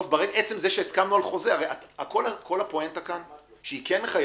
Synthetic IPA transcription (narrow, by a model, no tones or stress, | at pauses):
fbaʁeɡaʔet͡semzeʃeeskamnualχo̞zeaʁejatakolako̞lhapoent̪akanʃeikenχaj